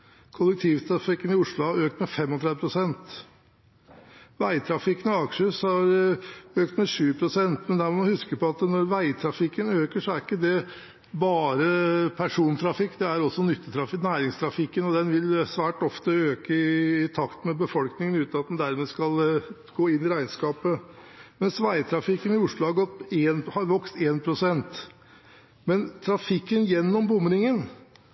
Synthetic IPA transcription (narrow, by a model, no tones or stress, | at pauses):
kʰʊlːɛkt̪ʰɪːʋt̪ʰɾɑfɪkːənɪʊʂɭʊhɑɾøːk̚t̪mɛfɛmɔt̪ʰɾɛd̪əpʰɾʊsɛnt̪ | ʋæɪt̪ʰɾɑfɪkːənɔɑkʂəshɑɾøːkt̪mɛʂʉːpʰɾʊsɛnt̪mɛnd̪æɾmhʉskəpɔɑt̪nɔɾʋæɪt̪ʰɾɑfɪkːənøːkəʂɔæɾɪkːəd̪ɛ | bɑːɾəpʰæʂuːnt̪ʰɾɑfɪkːd̪ɛæɾɔsːɔnʏt̪ːət̪ʰɾɑfnæːɾɪŋst̪ʰɾɑfɪkːənɔd̪ɛnʋɪlsʋæːʈɔft̪əøːkəɪːt̪ʰɑkt̪mɛbəfɔlknɪŋənʉːt̪nɑt̪̚d̪ɛnd̪æɾmeːskɑlɡ̥oːɪnːɪɾæɪnskɑːpəmɛnsʋæɪt̪ʰɾɑfɪkːənɪʊʂɭʊhɑɾɡɔt̪ːeːnhɑɾʋɔkst̪eːnpʰɾʊsɛnt̪ | mɛnt̪ʰɾɑfɪkːənjɛnːɔmbʊmɾɪŋən